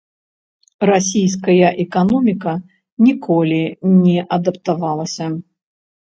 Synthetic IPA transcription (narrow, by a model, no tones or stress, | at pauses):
rasʲijskɐjɐʔɛkanɔmʲikɐ | nʲikʰɔlʲinʲɛʔɐd̪ɐpt̪avalˠɐsʲɐ